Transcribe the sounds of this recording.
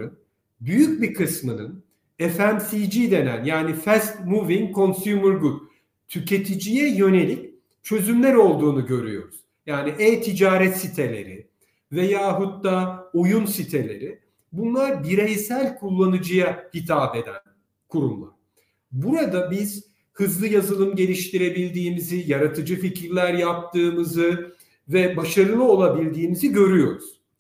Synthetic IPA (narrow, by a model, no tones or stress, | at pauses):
ɯn | byjyc̚bikʰɯsmɯnɯn | efænsijd͡ʒid̪e̞næ̰njaːnifɛst̪muvinkʰo̞nsmuɾɡu | t̪ʰycʰe̞t̪ʰid͡ʒijɛjø̞ne̞lʲic | t͡ʃʰø̞zymlʲæɾo̞lˠd̪uːnuɟø̞ɾy̰jo̞̰ɾuz̥ | jaːniʔɛːt̪ʰid͡ʒaːɾɛt̪sit̪ʰe̞lʲe̞̰ɾɪ̰ | vejaːɦut̪ːaːojunsit̪ʰe̞lʲe̞̰ɾɪ | bunlˠaɾbiɾejsælʲkʰulˠːanɯd͡ʒɯjahit̪ʰaːb̪e̞d̪æ̰n | kʰuɾumlˠa̰ɾ̥ | buɾad̪abiz̥ | hɯzlˠɯjazɯlˠɯmɟe̞lʲiʃt̪iɾe̞bilʲd̪iːmizijaɾat̪ʰɯd͡ʒɯficʰiɾlʲæɾjap̚t̪ʰɯːmɯzɯ | vɛbaʃaɾɯlˠɯo̞lˠabilʲd̪iːmiziɟø̞ɾyjo̞ɾuz̥